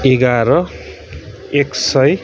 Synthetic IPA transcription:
eɡaɾʌ | eksʌj

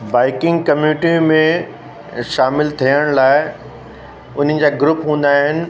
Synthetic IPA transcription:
baːɪkɪ̃ŋɡkɐmjuʈimẽ | ʃaːmɪlt̪ʰijəɽ̃laːɪ | ʊn̤ən̆d͡ʑaːɡɾʊpɦũːnd̪aːɦɪnɪ̆

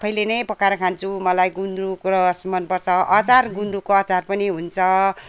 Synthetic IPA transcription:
pʰʌjlenʌjpʌkaɾʌkʰant͡sʰumʌlajɡunɾukɾʌsmʌnpʌrt͡sʰʌʔʌt͡sarɡunɾukoʌt͡sarpʌniɦunt͡sʰʌ

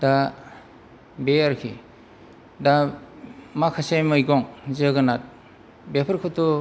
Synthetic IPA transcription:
da | beaɾkʰḭ | da | makʰasejmɯjɡɔŋzɯɡɯnat̚ | bepʰəɾkʰɯtɔ

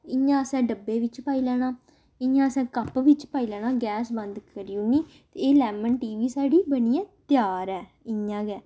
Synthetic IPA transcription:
ɪãːəsɛ̃ːɖəbːeːʋɪt͡ʃpaːiːlɛːɽ̃ãː | ɪjãːəsɛ̃ːkəpʋɪt͡ʃpaːiːlɛːɽ̃ãːɡɛːsbə̃nd̪kəɾɪjũːnĩː | t̪eːeːlɛːmənʈiːʋiːsaːɖiːbəniːɛ̃ːt̪jaːɾɛː | ɪãːɡɛː

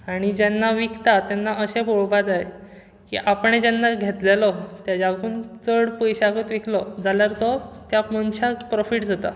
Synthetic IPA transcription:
aɽ̃id͡ʑenːaʋikt̪at̪janːaʔəɕeboɭbat̪aɦe | kḭːʔapɳed͡ʑanːaɡʱet̪lelɔt̪jad͡ʑakuːnt͡səɽpəjɕakət̪ʋikʰlɔd͡zʱaljaɾt̪ɔt̪jamənɕapɾɔfiʈd͡zat̪a̰

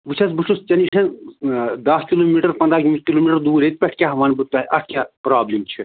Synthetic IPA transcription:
ʋut͡ʃʰɐsbut͡ʃʰust͡ʃɐniʃʰɐn | d̪ɐskʲiloːmiʈɐɾpɐnd̪ɾaːkmikiloːmiʈɐɾd̪uːɾet̪̚pʲɛʈʰkʲaːɦɐʋaːnbɨt̪aʔɐʈʰkʲãːpɾaːblimt͡ʃʰi

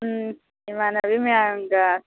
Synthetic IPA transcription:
imanaβimeaŋɡa

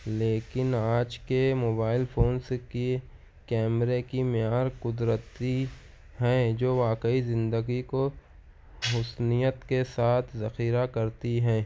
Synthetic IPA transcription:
leːkɪnaːd͡ʒkemoːbaːɪlpʰoːnski | kɛːmɾekimɪjaːɾqʊd̪ɾət̪i | ɦɛ̃d͡ʒoːʋaːkəizɪ̃nd̪əɡiko | ɦʊsnijət̪kesaːt̪ʰzɐxiːɾakɐɾt̪iɦɛ̃ː

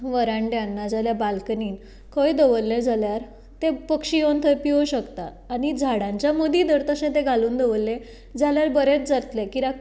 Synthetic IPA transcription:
ʋəɾãɳɖjanːad͡zaljabalkəniːn | kəjd̪əʋəlːẽd͡zʱaljaɾ | t̪ẽpəkɕijont̪ʰəjpioɕəkt̪aːnid͡zʱaɽãɲt͡ɕjamod̪id̪əɾt̪əɕẽt̪ẽɡʱaluːnd̪əʋəlːẽ | d͡zaljaɾbəɾet͡sd͡zaɾt̪lekiɾa

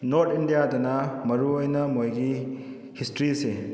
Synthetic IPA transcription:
noɾtʰindijadɐnɐmɐɾuojnɐmojɡi | histɾise

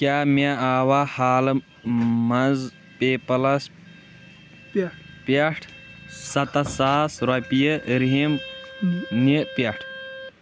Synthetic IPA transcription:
kʲaːmeaːwahaːlɨ | mɐnz | peːpɐlɐs | paʈʰsɐt̪ɐsaːsɾɐpijɐɾiɦim | nipeʈʰ

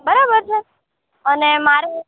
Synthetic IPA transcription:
bəɾabəɾt͡ʃʰe | ənemaɾu

